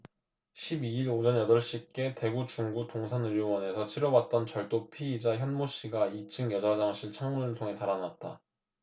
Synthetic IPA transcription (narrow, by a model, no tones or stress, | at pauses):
ɕʰibiiɾod͡ʑʌɲjʌdʌɭɕ͈ik͈e̞te̞ɡut͡ɕuŋɡutoŋsʰanɯɾjowʌne̞sʰʌt͡ɕʰiɾʌwat̚t͈ʌnt͡ɕʌɭt͈opʰiːd͡ʑaçjʌnmoɕ͈iɡait͡ɕʰɯŋjʌd͡ʑad͡ʑaŋɕʰiɭt͡ɕʰaŋmunɯɭtʰoŋe̞taɾanat̚t͈a̰